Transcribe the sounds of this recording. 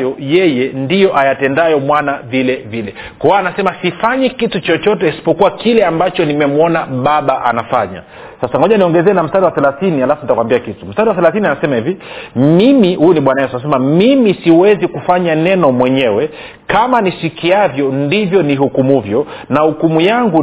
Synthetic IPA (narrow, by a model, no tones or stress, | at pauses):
jɔjɛjɛndijɔʔajatɛndajɔmwanavilɛvilɛ | kɔwanasɛmasifaɲɛkitut͡ʃɔt͡ʃɔtɛisi̥pɔkuwakilɛambat͡ʃɔnimɛmuɔnaɓaɓaʔa̰nafaɲa̰ | sasanɔʄaniɔŋɡɛzɛːnam̩staɗiwaθɛlaθinihalafunitakwambiakitum̩staɗiwaθɛlaθinianasɛmahivimimihujuniɓwanajɛsans̬ɛmamimisiwɛzikufaɲanɛnɔmwɛɲɛwɛ | kamanisikiavjɔndivjɔniɦukumuvjɔnahukumujaŋɡu